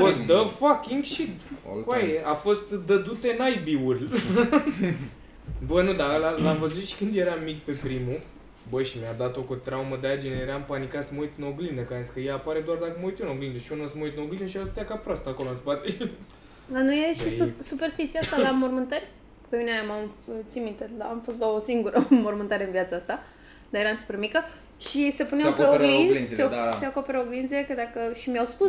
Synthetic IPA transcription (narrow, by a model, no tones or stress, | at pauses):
afost̪d̪əfakʲiŋɡʃikajeʔafo̞st̪d̪əd̪ut̪enajbiurʲ | bənud̪alalamvəzut̪ʃi̥kɨnd̪je̞ɾamik̚pe̞pɾimu | bəʃimjad̪at̪o̞kot̪ɾawməd̪ead͡ʒinejeɾampanikat̪səməujt̪ɨno̞ɡlind̪əkaenskəjeːpaɾed̪oard̪akəməuijt̪junoɡlind̪əʃionasəməujt̪ɨnoɡlinəʃ̬afost̪ejakapɾoast̪akolonspat̪e | lano̞jeʃisuperst̪it̪sieast̪alamo̞rmɨnt̪ərʲ | pemineaamamt̪simit̪end̪aamfo̞s̬t̪d̪aosiŋɡuɾʔəmo̞rmɨnt̪aɾeɨnvjat̪səast̪a | d̪ajeɾansu̥permikə | ʃisepuneopeoɡliɡeoseakopeɾoɡlinzekəd̪akəʃimijawspus